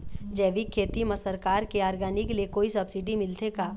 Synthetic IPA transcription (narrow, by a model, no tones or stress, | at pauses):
d͡ʒɛːʋikʰːeːt̪imɐsəɾkaːɾkeaːɾɡaːnɪklekoːisɐbsɪɖimɪlt̪ʰekaː